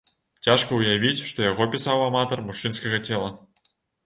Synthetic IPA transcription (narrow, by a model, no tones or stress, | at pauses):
tʲɑʂkɤujaʋʲitʲʂt̪ojoɣopʲisɑʋɑmɑt̪ɤ̆rmuʂːinskɐɣɑtʲelˠɤ